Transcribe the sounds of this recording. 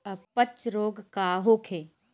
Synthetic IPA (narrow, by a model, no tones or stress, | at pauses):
ɐpət͡ʃɾoːɡkaːɦoːkʰeː